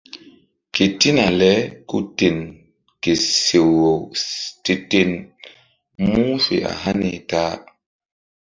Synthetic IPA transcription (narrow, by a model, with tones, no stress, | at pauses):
ke˨ti˦na˨lɛ˦ku˦te˨n | ke˨se˨wːo˨wte˨te˨n | mu˦fḛ˨ʔa̰˨ɦa˦ni˨taː˦